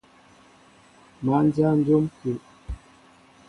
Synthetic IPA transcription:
ma˨˦n˦dja˦n̩˦do˦mku˨ʔ

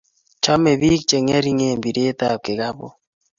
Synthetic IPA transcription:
t͡ʃɔ˦me˨βi˦k̚t͡ʃe˨ŋe˦ɾi˦ŋe˨mbi˨ɾe˦t̪a˨kɪ˨ɣa˦bɔ̰˨

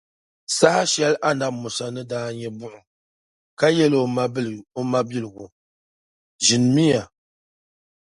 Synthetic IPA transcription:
sa˦ha˦ʃɛ˦lʔa˦na˨bmʊ˨sa˨nɨ˦daː˦ɲɛ˦bʊ˦˨ʔʊ˨ | ka˦jɛ˦lma˦˨o˦ma˦bi˦lɨ˨ɡʊ˨ | ʒɪ˨n˨mi˦ja˨

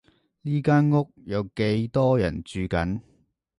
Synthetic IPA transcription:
liː˥kaː˥nŋʊ˥k̚jɐ˨˧wke˨˥jt̪ɔː˥jɐ̰˨˩nt͡ʃyː˨˧kɐ˨˥n

